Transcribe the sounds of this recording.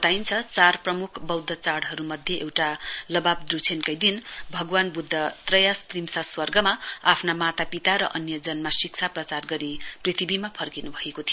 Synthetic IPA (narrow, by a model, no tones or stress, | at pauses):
bt̪ajnt͡sʰʌt͡sarprʌmukʰbʌwd̪ʱʌt͡saɽɦʌɾumʌd̪ʱjeʔewʈalʌbab̚d̪rut͡sʰenkʌjd̪inbʱʌɡwanbud̪ʱːʌt̪rʌjast̪rimsaswʌrɡʌmaapʰnamat̪apit̪aɾʌʔʌnjʌd͡zʌnmasik̚t͡sʰaprʌt͡sarɡʌɾiprit̪ʰibimapʰʌrkinubʱʌekot̪ʰijo